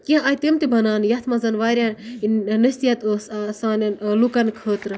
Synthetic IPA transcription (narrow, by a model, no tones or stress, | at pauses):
kiãajt̪imt̪ibɐnaːnjɐt̪ʰmɐzɐnʋaːɾʲjannɐst̪ijɐt̪ssaːnlukɐnkʰəːt̪ɾɨ